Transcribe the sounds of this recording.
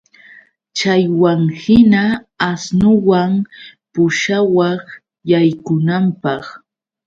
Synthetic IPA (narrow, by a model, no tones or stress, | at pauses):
t͡ʃajwaŋhɪna | asnʊwaŋpʊʃawɑχ | jajkʊnampɑχ